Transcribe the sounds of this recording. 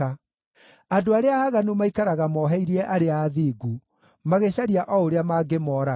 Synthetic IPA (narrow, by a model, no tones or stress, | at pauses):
a | adoaɾeaaɣanumaikaɾaɣamɔɦɛiɾiɛʔaɾeaːðiːɡu | maɣeɕaɾiaʔɔoɾeamaːɡemɔːɾa